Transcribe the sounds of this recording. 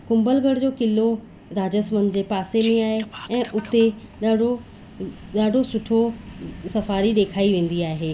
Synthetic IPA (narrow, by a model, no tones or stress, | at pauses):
kʊ̃mbəlɡəɽd͡ʑoːkɪlo | ɾaːd͡ʑəsmənd͡ʑeːpaːsemĩaːɦeɛ̃ːʔʊt̪e | ɽo | ɗaːɖʱosʊʈʰosɐfaːɾiɗ̪eːkʰaːiʋẽːn̆d̪iaːɦeː